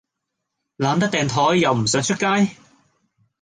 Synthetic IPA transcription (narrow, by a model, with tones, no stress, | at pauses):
laː˨˧nt̪ɐ˥t̪ɛː˨ŋt̪ʰɔː˨˥jːɐ˨wm̩˨˩sœː˨˥ŋt͡ʃʰɵ˥t̚kaː˥j